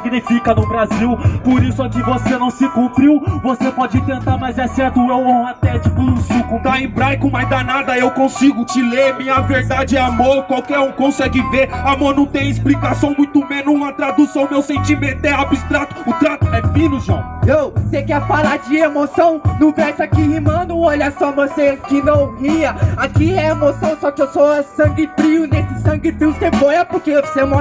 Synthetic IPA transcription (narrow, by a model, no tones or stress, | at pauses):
siɡnifikɐnʊbɾaziwpoɾisʊakɪvosenɐ̃w̃sɪkũpɾiwvosepɔd͡ʒɪt̪ẽnt̪aɾmɐjzɛsɛɾt̪ʊewõat̪ɛt͡ʃipʊd̪ʊsukʊt̪aẽbɾajkʊmajzd̪anad̪ɐewkõsiɡʊt͡ʃɪlemĩɲɐveɾd̪ad͡ʒɪɛamoɾkwawkɛɾõkõsɛɡɪveɾamoɾnɐ̃w̃t̪ẽj̃ɪsplikasɐ̃w̃mũj̃t̪ʊmẽnʊũɐt̪ɾad̪usɐ̃w̃mewsẽt͡ʃimẽnt̪ʊɛabist̪ɾat̪ʊ̥ʊt̪ɾat̪ʊɛfĩlʊʒɐ̰̃w̃ewsekɛɾfalaɾd͡ʒɪemosɐ̃w̃nʊ̃vɛɾsakiimɐ̃nʊɔʎɐsɔmoɾsekɪnɐ̃w̃hiɐakiɛemosɐ̃w̃sɔkewsoɐsɐ̃ŋɡɪfɾiwʊnesɪsɐ̃ɡɪfɾiwsebojɐpoɾkeewvsemɔ